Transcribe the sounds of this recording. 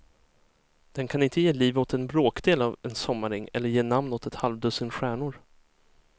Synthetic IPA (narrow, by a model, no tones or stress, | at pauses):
d̪̥ɛnkʰanɪnt̪əjeːliːvɔt̪ɛnbɾoːkd̪eːlavɛnsɔmːaɾɪŋːɛ̰lːəjeːnamnɔt̪ʰɛt̪halvd̪ɵːsənɧæːɳʊɾ